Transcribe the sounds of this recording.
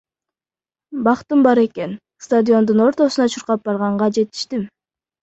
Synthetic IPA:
bɑqt̪ɯmbɑɾe̞ke̞n | st̪ad̪ʲɪo̞nd̪uno̞ɾt̪o̞sunɑt͡ʃʰuɾqɑp̚b̥ɑɾʁɑɴʁɑd͡ʒe̞t̪i̥ʃt̪im

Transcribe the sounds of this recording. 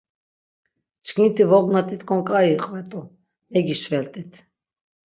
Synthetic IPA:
t͡ʃʰʼkʰint̪ʰivɔɡnat̪ʼit̪kʰɔnkʼaɾiqʼvɛt̪ʼu | ɛɡiʃvɛlt̪ʼit̪ʰ

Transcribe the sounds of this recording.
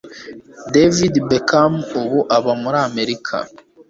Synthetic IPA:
devidbekamuβuʔaβamuɾaːme̞ɾikʰa̰

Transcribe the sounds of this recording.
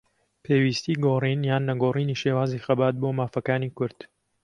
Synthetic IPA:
pʰeːwiːst̪iːɡoːriːnjaːnːɐɡoːriːniːʃeːwaːzixɐbaːt̪̚boːmaːfɐkaːnikʊɾd̪̥

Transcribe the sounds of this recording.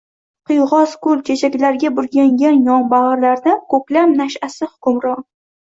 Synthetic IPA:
qʰɨjʁɒzkʰʊlt͡ʃʰet͡ʃʰakʲlaɾɡʲabʊɾɡʲaŋɡʲanjɒɴbaʁɑɾlaɾd̪akʰɵplamnaʃasɪhʊkʊmɾɒ

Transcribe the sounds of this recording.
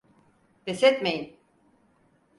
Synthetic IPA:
b̪ɛsɛt̪mejin

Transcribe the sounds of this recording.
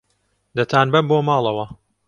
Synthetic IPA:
d̪ɐt̪ʰaːnbɐboːmɑːlˠɐwɐ

